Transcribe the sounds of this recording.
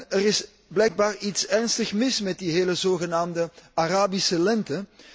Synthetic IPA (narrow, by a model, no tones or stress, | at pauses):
əɾɪs | blɛjɡ̚baːritsɛrnstəxmɪsmɛt̚diɦeːləzoːɣənaːmdəaraːbisəlɛntə